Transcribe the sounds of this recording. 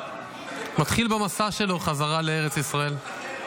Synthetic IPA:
mat̪χilbamasaʃe̞lo̞χazaʁale̞eʁet͡sisʁae̞l

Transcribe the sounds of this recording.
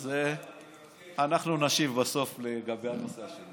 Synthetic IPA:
ze | anaχnunaʃivbaso̞fleɡabe̞jhanoseaʃe

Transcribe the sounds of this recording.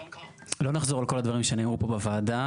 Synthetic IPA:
lo̞naχzo̞ʁalko̞lad̪vaʁimʃeneːmupo̞bavaːda

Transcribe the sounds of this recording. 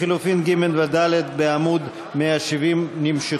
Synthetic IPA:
ilufinɡimelvad̪alet̪̚beamud̪ | meaʃivimnimʃi

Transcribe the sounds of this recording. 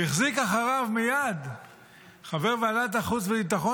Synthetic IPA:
iχzikaχaʁavmijad̪ | χaveʁvalat̪̬aχut͡svebit̪̬aχo

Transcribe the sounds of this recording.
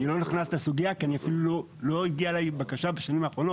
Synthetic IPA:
nilo̞niχnastasuɡijakianiafilulo | lo̞iɡiaelajbakaʃabeʃanimaːχʁo̞not

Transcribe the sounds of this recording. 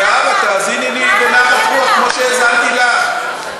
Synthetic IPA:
aβaɡ̥ʱazinidiβɛnaɔmɔʃɛzantʼik̬a

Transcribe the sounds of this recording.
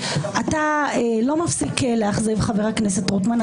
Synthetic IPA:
ataelo̞mafsikleaχzivχaveʁaknes̬etʁutman

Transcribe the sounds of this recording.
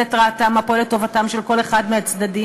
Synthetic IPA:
etʁaːtamapoletːo̞vatamʃelko̞le̞χad̪meat͡sd̪adi

